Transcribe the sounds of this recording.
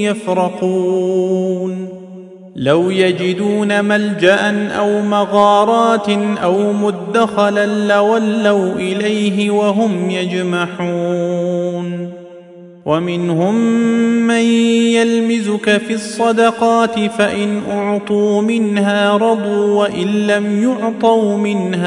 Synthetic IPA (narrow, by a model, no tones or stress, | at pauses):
jafɾɑquː | n | lawjad͡ʒɪd̪uːnamald͡ʒaʔanʔawmɑɣɑːɾˤɑːt̪ʔawmʊd̪ːaxalanlawalːawʔɪlajɦɪwaɦʊmjad͡ʒmaħuː | n | wamɪnhʊmː | anjalmɪzʊkafisˤːɑd̪ɑqɑːt̪ɪfaʔɪnʔʊʕt̪ˤuːmɪnhaːɾˤɑd̪ˤuːwaʔɪnlamjʊʕt̪ˤɑwmɪnha